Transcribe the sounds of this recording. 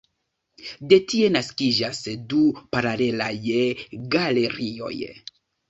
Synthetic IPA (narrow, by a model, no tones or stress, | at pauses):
de̞tie̞naskid͡ʒasdupaɾale̞lajɡale̞ɾio̞̰j